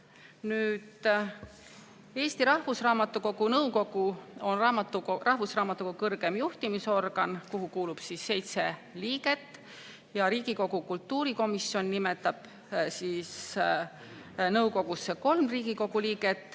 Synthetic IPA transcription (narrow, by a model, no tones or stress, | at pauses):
nyːd̪ | e̞ːst̪iɾɑhvusrɑːmɑt̪ːˑuko̞ɡunɤwko̞ɡ̥uo̞nrɑmɑt̪ːˑurɑhvusrɑːmɑt̪ːˑukɑkɤrɡ̥e̞mjuht̪imiso̞rɡ̥ɑnkuɦukuːlub̥sisːe̞jt̪se̞liːɡ̥e̞t̪ːˑ | jɑɾiːɡ̥iko̞ɡ̥ukult̪ːuːɾiko̞misjo̞nːimet̪ːˑɑb̥ | siːs | nɤuko̞ɡ̥usːeko̞lmriːɡiko̞ɡuliːɡ̥e̞t̪ːˑ